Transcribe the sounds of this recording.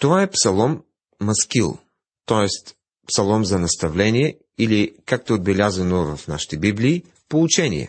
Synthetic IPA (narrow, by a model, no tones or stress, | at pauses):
t̪ovaɛpsɐlˠɔmː | ɐskilˠ | t̪ɔɛst̪ | psɐlˠɔmzɐnɐst̪ɐvlɛnijɛ | ilikak̚t̪ɛod̪̚bɛlʲazɐnovɐfna̰ʃi̥t̪ɛbibliː | pout͡ʃɛnḭɛ̰